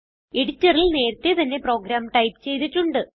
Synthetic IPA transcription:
eɽitːɐrilne̞ːɾt̪ːet̪ɐnːe̞pro̞ːɡɾaːmʈɐjpt͡ɕe̞jt̪iʈːuɳɖɨ

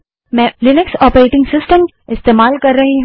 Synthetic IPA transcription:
mɛ̃lɪnɪksɔːpəɾeːʈɪ̃ŋɡsɪsʈəm | ɪst̪eːmaːlkɐɾːɐɦĩɦ

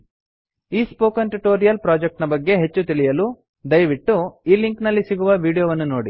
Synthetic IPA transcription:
iːspoːkɐnʈuʈoːɾijɐlpɾaːd͡ʒek̚ʈnɐbɐɡːe̞ɦet͡ʃːut̪iɭijɐlu | d̪ɐjʋiʈːuiːliŋknɐlːisiɡuʋɐʋiːɽijoːʋɐnːunoːɽi

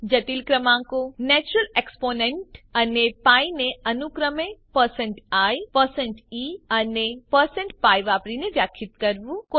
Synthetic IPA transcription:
d͡ʒət̪ilkɾəmãkonɛt͡ʃuɾəleksponeɳʈənepaineənukɾəmepəɾsə̃ɳʈajpəɾsɛɳʈiənepəɾsə̃ɳʈpajʋapɾineʋjakʰːit̪kəɾʋũko

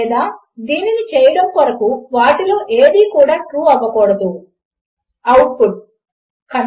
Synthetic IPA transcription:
d̪aː | d̪iːninit͡ʃɛːjɐɽɐmpɐɾɐkuʋaːʈilo̞ːʔeːd̪iːkuːɽaːʈɾuːɐʋɐkɔːɽɐd̪u | ɐwʈ̚pʰuʈ̚ | kɐn

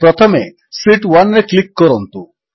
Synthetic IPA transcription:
pɾɔt̪ʰɔme | siʈwanɾeklikːɔɾɔnt̪u

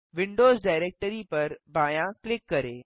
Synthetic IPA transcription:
ʋɪ̃ɳɖoːzɖaːɪɾeːk̚ʈəɾipɐɾbaːjãklɪkːɐɾeː

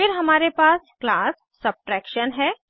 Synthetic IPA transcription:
fɪɾɦɐmaːɾepaːsklaːsːɐb̚ʈɾɛːkʃənɦɛː

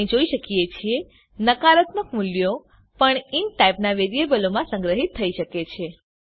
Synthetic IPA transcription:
ĩd͡ʒoiʃəkijet͡ʃʰie | nəkaɾət̪məkmuljo | pəɳinʈajpnaʋeɾijebəlomãsə̃ŋɡɾəɦit̪ʰːəiʃəket͡ʃʰe

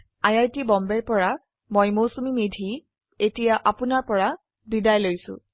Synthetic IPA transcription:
ajajtibɔmbɛɹpɔɹa | mojmosumimedʱi | etijaʔapʊnaɹpɔɹa | didajlojsʊ̰̃

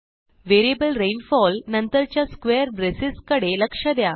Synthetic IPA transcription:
ʋeɾiebəlɾenfɔlnənt̪əɾt͡ɕjaskʋejəɾbɾesiskəɽeləkʂəd̪ja

